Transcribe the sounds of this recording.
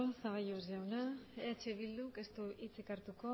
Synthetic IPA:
saɣajozʝawnaeat͡ʃeβild̪uke̞st̪uit͡sekaɾt̪uko̞

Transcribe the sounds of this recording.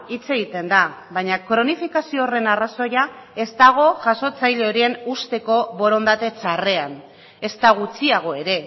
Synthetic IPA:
it͡se̞ɣit̪e̞nd̪aβajɲakɾo̞nifikasio̞ːre̞naraso̞jae̞st̪aɣ̞o̞ʝaso̞t͡sajle̞o̞ɾie̞nust̪e̞ko̞βo̞ɾo̞nd̪at̪e̞t͡sare̞an | e̞st̪aɣ̞ut͡siaɣ̞o̞e̞ɾe̞

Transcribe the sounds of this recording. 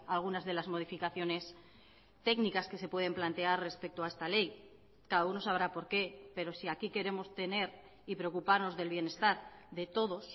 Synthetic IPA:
alɣ̞unazðe̞lazmo̞ðifikaθjo̞ne̞s | t̪e̞knikaske̞se̞pweð̞e̞mplant̪e̞arre̞spe̞k̚t̪oae̞st̪ale̞j | kaðauno̞saβ̞ɾapo̞ɾke̞pe̞ɾo̞siakike̞ɾe̞mo̞st̪e̞ne̞ɾ | ipɾe̞okupaɾno̞zðe̞lβje̞ne̞st̪aɾðe̞t̪o̞ð̞o̞s

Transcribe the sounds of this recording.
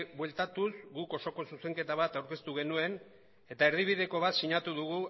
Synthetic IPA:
bwe̞lt̪at̪uzɡuko̞so̞ko̞suse̞ŋke̞t̪aβ̞at̪awɾke̞st̪uɣ̞e̞nue̞n | e̞t̪ae̞ɾðiβ̞iðe̞ko̞βat̪siɲat̪uðuɣu

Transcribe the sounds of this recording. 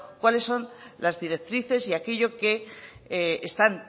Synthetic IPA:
kwale̞sːo̞nlazðiɾe̞k̚t̪ɾiθe̞siakeʎo̞ke̞ | est̪an

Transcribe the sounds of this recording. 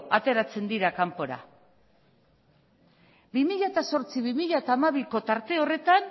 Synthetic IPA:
at̪e̞ɾat͡se̞nd̪iɾakampo̞ɾa̰ | bimiʎat̪aso̞ɾt͡siβimiʎat̪aːmaβ̞iko̞t̪aɾt̪e̞o̞re̞t̪an

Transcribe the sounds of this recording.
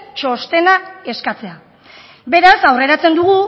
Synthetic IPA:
t͡ʃo̞st̪e̞nae̞skat͡se̞a | be̞ɾasawre̞ɾat͡se̞nd̪uɣ̞u

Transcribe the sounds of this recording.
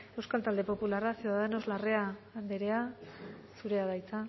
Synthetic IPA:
e̞wskalt̪ald̪e̞po̞pularasieaðenozlare̞and̪eɾe̞a | suɾe̞aðajt͡sa

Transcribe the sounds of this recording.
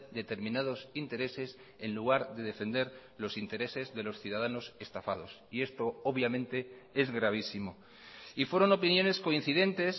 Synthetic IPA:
d̪e̞t̪e̞ɾmĩnað̞o̞sint̪e̞ɾe̞se̞s | e̞nluɣ̞aɾðe̞ð̞e̞fe̞nd̪e̞ɾ | lo̞sint̪e̞ɾe̞se̞zðe̞lo̞sθjuðaðano̞se̞st̪afa̰ð̞o̞sie̞st̪o̞oβjamẽ̞nt̪e̞e̞zɣɾaβ̞isimo̞ | ifwe̞ɾo̞no̞pinjõ̞ne̞sko̞in̟θiðe̞nt̪e̞s

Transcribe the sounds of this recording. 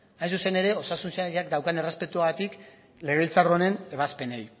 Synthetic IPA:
ajsuse̞ne̞ɾe̞o̞sasunsaʎakd̪awkane̞re̞spe̞t̪uaɣat̪ik | le̞ɣ̞e̞ilt͡saro̞ne̞ne̞βaspe̞nej

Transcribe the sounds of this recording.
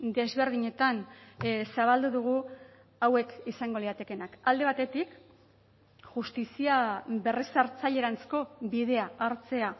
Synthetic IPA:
d̪e̞zβe̞ɾðiɲe̞t̪ansaβ̞ald̪uðuɣ̞u | awe̞kisaŋɡoliðat̪e̞kenakald̪e̞β̞at̪e̞t̪ik | ʝust̪isiaβe̞resaɾt͡saʎe̞ɾant͡sko̞βiðe̞aaɾt͡se̞a

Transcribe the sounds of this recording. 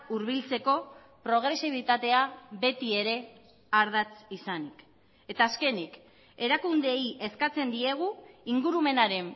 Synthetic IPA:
uɾβ̞ilt͡se̞ko̞ | pɾo̞ɣ̞ɾe̞siβ̞it̪at̪e̞aβe̞t̪ie̞ɾe̞ | aɾð̞at͡sisanik | e̞t̪aːske̞nik | e̞ɾakund̪e̞jʔe̞skat͡se̞nd̪ie̞ɣ̞uiŋɡuɾume̞naɾe̞m

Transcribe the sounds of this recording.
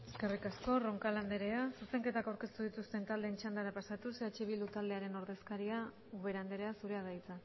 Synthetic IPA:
e̞ske̞rikasko̞ro̞ŋkaland̪e̞ɾe̞asuse̞ŋke̞t̪akawɾke̞st̪uð̞it̪ust̪e̞nt̪ald̪eːnt͡ʃand̪aɾapasat̪useat͡ʃiβ̞ild̪ut̪ald̪eaɾe̞no̞ɾðe̞skaɾia | uβe̞ɾand̪e̞ɾe̞asuɾe̞aðajt͡sa

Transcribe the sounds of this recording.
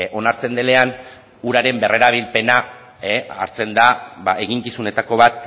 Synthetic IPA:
ʔo̞naɾt͡se̞nd̪e̞le̞an | uɾaɾe̞mbe̞re̞ɾaβ̞ilpe̞na | ea̰ɾt͡se̞nd̪aβaʔe̞ɣiŋkisune̞t̪ako̞βat̪

